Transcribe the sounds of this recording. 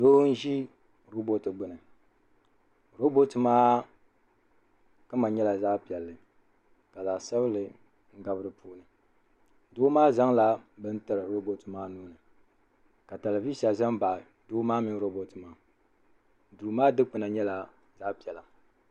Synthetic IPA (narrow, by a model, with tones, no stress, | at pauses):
doː˦n̩˦ʒi˦ | ɾo˦bo˦tɨ˨ɡ͡bɨ˨nɨ˨ | ɾo˦bo˦tɨ˨maː˦ | kɨ˦ma˨ɲɛ˦la˨zaː˦pi˨ɛ˨lːɨ˨ | ka˨zaː˨sɛ˦βɨ˦lɨ˨ | ŋ̩˦ɡa˦bɨ˦ɾɨ˨pʰuː˦nɨ˨ | doː˦maː˦za˦ŋla˦bɨ˦n˦tɨ˨ɾɨ˨ɾo˦bo˦tɨ˨maː˦nuː˦nɨ˨ | ka˨ta˨la˨vi˦sa˨za˦ŋba˨ | doː˦maː˦mi˦ɾo˦bo˨tɨ˨maː˦˨ | du˨maː˦dɨ˦k͡pɨ˨na˨ɲɛ˦la˨ | za˦pi˨ɛ˨la˨